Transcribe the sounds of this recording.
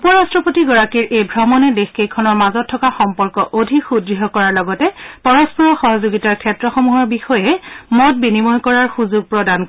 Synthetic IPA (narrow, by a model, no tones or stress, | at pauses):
upɔɹastɹɔpotiɡɔɹakiɹʔejbʱɹɔmɔnɛdexkejkʰɔnɔɹmazɔtʰːɔkaxɔmpɔɹkɔʔodʱikxudɹiɦɔkɔɹaɹlɔɡɔtɛpɔɹɔspɔɹɔxɔɦɔzoɡitaɹkʰɛtɹɔxɔmuɦɔɹbixɔjɛmɔt̚binimɔjkɔɹaɹxuzuɡ̚pɹɔdank